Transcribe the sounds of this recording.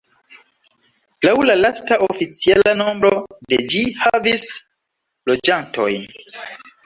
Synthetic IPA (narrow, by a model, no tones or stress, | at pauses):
lawlalastaofit͡sialano̞mbɾo̞de̞d͡ʒihavis | lo̞d͡ʒanto̞j